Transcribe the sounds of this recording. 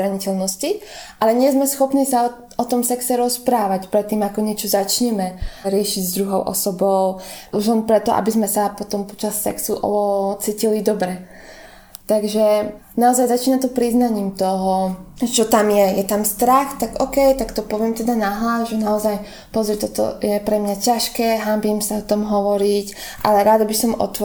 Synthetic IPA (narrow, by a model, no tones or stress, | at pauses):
ɾaɲicɛlnɔsciʔalɛɲɪɛzmɛsxɔpniːsa | ɔt̪ɔmsɛksɛɾɔspɾaːʋacpɾɛt̪ːiːmakɔɲɪɛt͡ʃɔzat͡ʃɲɛmɛɾɪɛʃiɟzd̪ɾuɦɔʊʔɔ̰sɔbɔʊuʒlɛnpɾɛt̪ɔʔa̰bizmɛsapɔt̪ɔmpɔ̥t͡ʃasːɛ̰ksuʔɔt͡siːcilid̪ɔbɾɛ | t̪aɡʒɛ | naɔzajzat͡ʃiːnat̪ɔpɾiznaɲiːmt̪ɔɦɔt͡ʃɔt̪amjɛjɛt̪amst̪ɾaxt̪aɡɔkɛjt̪akt̪ɔpɔʋɪɛmt̪ɛd̪anaɦlazʒɛnaɔzaj | pɔzɾɛt̪ɔt̪ɔ̰jɛpɾɛmɲacaʃkɛːɦambimsaɔt̪ɔmɦɔʋɔɾic | ʔa̰lɛɾad̪abisɔmɔ̰t̪ʋɔ